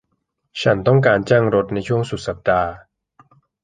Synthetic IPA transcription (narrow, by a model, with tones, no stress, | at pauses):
t͡ɕʰa˦˥nt̪ɔ˥˩ŋk̬aː˧nt͡ɕaː˥˩ŋɾo˦˥t̪̚na˧jt͡ɕʰu˥˩əŋsu˨˩t̪̚sa˨˩p̚daː˧